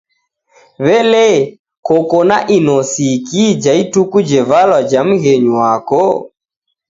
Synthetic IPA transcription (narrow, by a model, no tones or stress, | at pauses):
βɛlɛ | kɔkɔnaʔinɔsikid͡ʒaitukud͡ʒɛvalwad͡ʒam̩ɣɛɲwakɔ